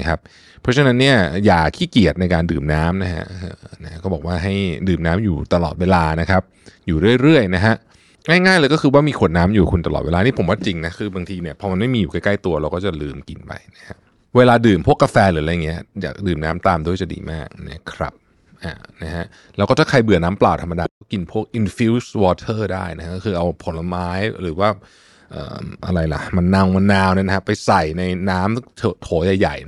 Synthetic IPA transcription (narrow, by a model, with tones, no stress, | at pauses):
kʰa˦˥p̚ | pʰːɔ˦˥t͡ɕʰa˧na˦˥nːi˥˩ɐjaː˨˩k̪ʰiː˥˩ki˨˩ət̪̚na˧jkaː˧ndɯː˨˩mnaː˦˥mna˦˥ɦa̰˦˥ʔʔɤː˧˩na˦˥ha˦˥ʔkɔː˥˩bɔː˨˩waː˥˩ɦa˥˩jdɯː˨˩mnaː˦˥mjuː˨˩t̪a˧lɔ̰ː˨˩t̪̚weː˧laː˧na˦˥kʰa˦˥p̚juː˨˩ɾɯ˥˩əjɾɯ˥˩əjna˦˥ɦʰa˦˥ʔ | ŋaː˥˩jŋaː˥˩jlɤː˧jkɔ˥˩kʰɯː˧waː˥˩miː˧kʰu˨˩ət̪̚naː˦˥mjuː˨˩kʰu˧nt̪a˧lɔ̰˨t̪̚weː˧lːniː˥˩pʰo˩˦waː˥˩t͡ɕi˧ŋna˦˥kʰɯː˧baː˧ŋt̪ʰiː˧ni˥˩ɐpʰɔː˧ma˧nma˥˩jmiː˧juː˨˩ka˥˩jkla˥˩jt̪u˧ɐɾa˧wkɔː˥˩t͡ɕa˨˩lɯː˧mki˨npa̰˧jna˦˥kʰa˦˥ʔ | weː˧laː˧dɯː˨˩mpʰu˥˩əkːa˧fɛː˧lɯː˦ɾa˧jŋːi˦˥ɐ˦ja̰ː˨˩k̚dɯː˨˩mnaː˦˥mt̪aː˧mdu˥˩əjsa˧˩dḭː˧maː˥˩k̚na̰˦˥˩kʰɾa̰˦˥p̚ | ʔa̰ː˨˩na˦˥ha˦˥ʔ | lɛ˦˥wkɔː˥˩t̪ʰa˥˩kʰa˧jbɯ˨˩ənaː˦˥mplaː˨˩wt̪ʰa˧ma˧daː˧˦kɔː˥˩ki˧npʰu˥˩ək̚ʔi˧nfi˦˥wswɔː˧t̪ʰɤː˥˩da̰ː˥˩jna˦˥ha˦˥kːɔː˥˩xʰɯː˧ʔa˧wpʰo˨˩˦nla˧maː˦˥jɾɯː˩˦waː˥˩ | ʔə̰ː˨˩ʔa̰˧ɾa˧jla̰˨˩ma˧nːa˧ŋma˧nːaː˧wni˥˨na˦˥kʰa˦˥pa˧jsa˨˩jna˧jnaː˦˥mt̪ʰːt̪ʰoː˩˦ja˨˩jːa̰˨˩j